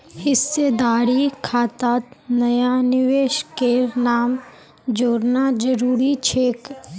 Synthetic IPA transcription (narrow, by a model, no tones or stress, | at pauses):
hɪsːeːd̪aːɾikʰaːt̪aːt̪nɐjanɪʋeːʃkenaːm | d͡ʒoːɾnad͡ʒəɾuːɾit͡ʃʰeːk